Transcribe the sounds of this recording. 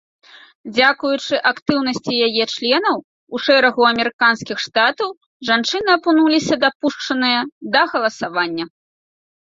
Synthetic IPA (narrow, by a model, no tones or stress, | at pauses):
d͡zʲakujut͡ʂɨʔakt̪ɨwnɐsʲt͡sʲijajɛt͡ʂlʲɛnɐw | uʂɛɾɐɣuɐmʲɛɾɨkanskʲixʂt̪at̪ɐw | ʐant͡ʂɨnɨɐpunulʲisʲɐd̪apuʂt͡ʂɐnɨjɐd̪ɐɣɐlˠɐsavanʲːɐ